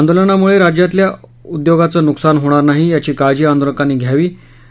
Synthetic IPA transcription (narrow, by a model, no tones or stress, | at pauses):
and̪olənamuɭeɾad͡ʑjat̪ljaud̪joɡat͡sənuksanɦoɽ̃aɾnaɦijat͡ɕiːkad͡ʑiːand̪oləkaniːɡʱjaʋiː